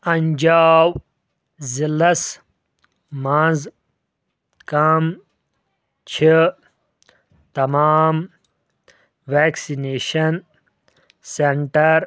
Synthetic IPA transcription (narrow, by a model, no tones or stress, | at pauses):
ɐɲd͡ʑaːw | zilɐs | mãːz | kam | t͡ɕʰi | t̪ɐmaːm | ʋeːksineːɕɐn | seɳʈɐɾ